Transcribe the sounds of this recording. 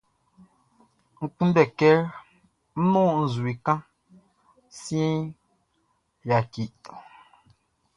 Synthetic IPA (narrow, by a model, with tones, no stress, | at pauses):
ŋ̩˨k͡pũ˦nbɛ˨kɛ˦ɾ | n̩˦nɔ̃˦n̩˨zu˨i˨kã˦ | si˦ɛ̃˦ | ja˨ki˨ʔ